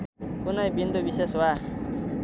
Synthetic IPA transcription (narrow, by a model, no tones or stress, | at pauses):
kunʌjbind̪ubisesɦoa